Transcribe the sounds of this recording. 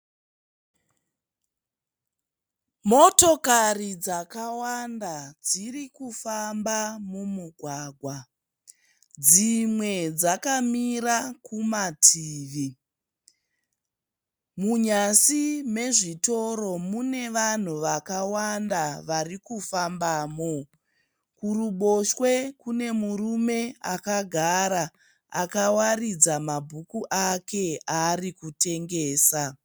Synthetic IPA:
mo̞tokarid͡zakawandad͡zirikufambamumuɡʱwaːɡʱwa | d͡zimwe̞d͡zakamirakumatʰiːʋi | muɲasime̞ʐito̞ɾo̞mune̞ʋan̤uʋakawandaʋarikufambaːmo̞ | kuruɓo̞ʃwe̞kune̞murume̞akaɡʱaɾa | akawarid͡zamabʱukuʔake̞aːrikute̞ŋɡe̞ːsa

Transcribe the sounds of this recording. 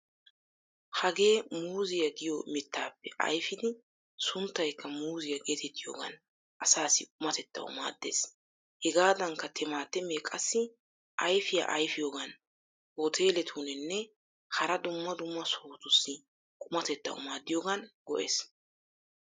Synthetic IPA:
hɐɡe̞ːmuːzɪjɐɡɪjomɪt̪ːaːpːɛʔɐ̰jfɪd̪ɪ | sʊnt̪ːɐjkːɐmuːzɪjɐɡeːt̪ɛt̪ːɪjo̰ːɡɐ̰n | ʔɐsaːsɪkʼʊmɐt̪ɛt̪ːɐ̰wʊ̰ma̰ːd̪ːḛːs | hɛɡaːd̪ɐŋkːɐt̪ʰɛmaːt̪ːɛmeːkʼɐsːɪ | ʔɐjfɪjɐ̰ʔɐjfɪjoːɡɐn | ot̪ʰe̞ːlɛt̪ʰunɛnːɛ | hɐɾɐd̪ʊmːɐd̪ʊmːɐsoːt̪ʊsːɪ | kʼʊmɐt̪ɛt̪ːɐ̰wʊ̰maːd̪ːɪjoːɡɐnɡ̥ɔ̰ʔḛːs

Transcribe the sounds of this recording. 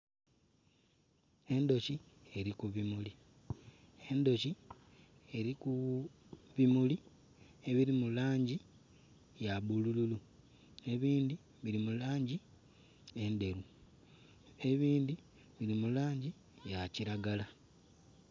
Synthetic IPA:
e̞ndo̞ci | e̞ɾikuβimuli | e̞ndo̞ci | e̞ɾiku | βimuli | e̞βiɾimulaːɲɟi | jaβulululu | ne̞βiːndi | βiɾimulaːɲɟi | e̞nde̞ɾu | e̞βiːndi | βiɾimulaːɲɟi | jaciɾaɡala

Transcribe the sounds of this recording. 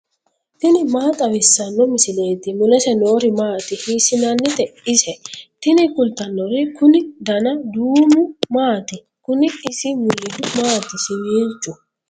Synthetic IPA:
t̪ɪnɪmaːt̪ʼɐwɪsːɐnːɔmɪsɪle̞ːt̪ɪmʊlɛsɛno̞ːɾɪmaːt̪ɪhiːsɪnɐnːɪt̪ɛɪsɛt̪ɪnɪkʊlt̪ɐnːɔɾɪkʊnɪd̪ɐnɐd̪uːmʊmaːt̪ɪ | kʊnɪɪsɪmʊlːɪd̪ʊmaːt̪ɪsɪmiːnt͡ʃʼːʊ

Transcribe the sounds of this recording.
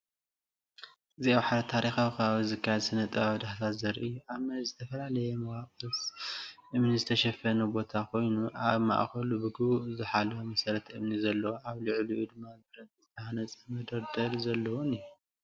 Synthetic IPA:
ʔɨziawħaɾɐt̪ʰaɾixawkʰɐβaβizɨkʰːajadsɨnɐt̪ʼɐβaβd̪aħt̪ʰat̪zɐɾiʔɨjːuʔaβmɐzɨt̪ʰɐfɐlalɐjɛmɐwaqʼɨsʔɨmnizɨt̪ʰɐʃɛfɐnɐbo̞t̪ʰakʰo̞jnuʔaβma̰ʔxɐlubɨɡɨβuzɨħalɐwomɐsɐɾɐt̪ʰɨmnizɐlːɐwoʔaβlɨʕluʔud̪ɨmːazɨbɾɐt̪zɨt̪ʰɐhanɐt͡sʼɐmɐd̪ɐɾd̪ɐlzɐlːɐwunɨjːu

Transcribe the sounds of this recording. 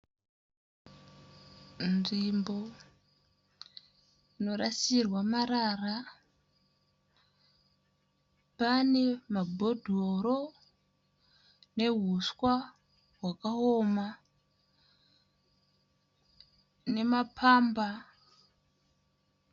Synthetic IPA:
nʐimbo̞ | ino̞rasirwamaɾara | pane̞mabʱo̞dʱoɾo | ne̞ɦuskwa | ɦwakaɦoma | ne̞mapʰamba

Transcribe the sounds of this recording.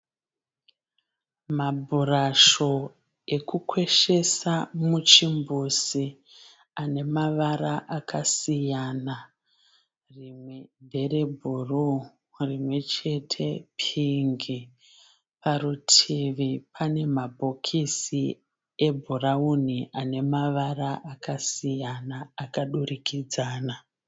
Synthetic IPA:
mabʱuraʃo̞ | e̞kukwe̞ʃe̞samut͡ʃimbusi | ane̞maʋaɾaʔakʰasijana | rimwe̞nde̞re̞bʱuru | rimwe̞t͡ʃe̞tʰe̞pʰiŋɡi | paɾutʰiʋipʰane̞mabʱokʰisi | e̞bʱurauniʔane̞maʋaraʔakasijanaːkaɗurikid͡zaːna

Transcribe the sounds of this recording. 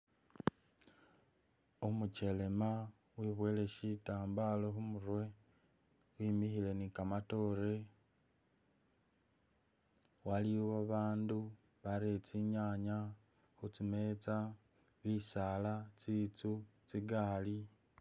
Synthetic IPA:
omut͡ʃe̞le̞ma | wiβwe̞ːle̞ʃitaːmbaloxumuɾwe̞ | wimixile̞nikamato̞ɾe̞ | walioβaβaːndu | βaɾet͡siɲaɲa | xut͡sime̞t͡sa | βisalat͡siːt͡sut͡siɡaːli

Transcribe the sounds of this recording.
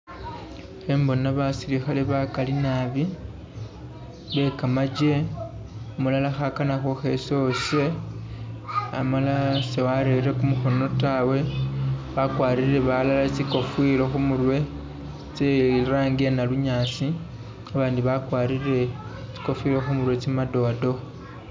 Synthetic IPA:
embo̞naβasiɾixaleβakalinaβi | βe̞kamad͡ʒe̞ | omulalaxakanaxoxe̞so̞se̞ | a̰malasewaɾeɾe̞kumuxo̞no̞tawe̞βakwaːɾiɾɾe̞βalalat͡siko̞fwiɾo̞xumurwe̞ | t͡seɾaːŋɡenaluɲaːsi | aβaːndiβakwaːɾiɾe̞ | t͡si̥ko̞fiɾo̞xumurwe̞t͡simado̞do̞

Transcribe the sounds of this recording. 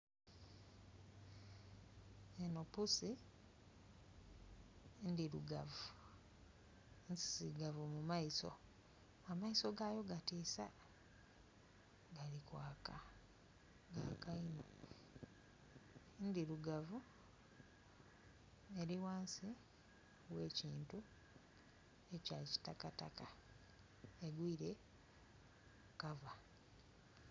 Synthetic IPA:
enopusi | ndiɾṵɡavu | nsi̥siɡavumumaiso̞̰ | amaiso̞ɡajo̞ɡatiːsa | ɡalikwaːka | ɡakaino | ndiluɡavu | e̞ɾiwaːnsi | we̞ːciːntu | e̞caci̥takataka | eɡwiːɾe̞ | kava

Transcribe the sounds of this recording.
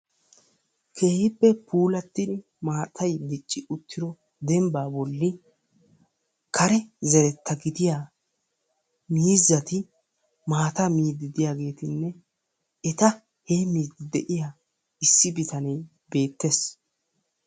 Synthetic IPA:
kʰe̞ːhɪpːɛpuːlɐt̪ːɪd̪ɪ | maːt̪ʰɐjd̪ɪt͡ʃʼːɪʔʊt̪ːɪɾɔ | d̪ɛmbaːbɔlːɪ | kʰɐɾɛzɛɾɛt̪ːɐɡɪd̪ɪja | miːzːɐt̪ɪ | maːt̪ɐmiːd̪ɪd̪ɪjaːɡe̞ːt̪ɪnːɛ | ɛt̪ɐ | heːmiːd̪ɪd̪ɛ̰ʔɪjaː | ɪsːɪbɪt̪ɐnɛj | be̞ːt̪ːes

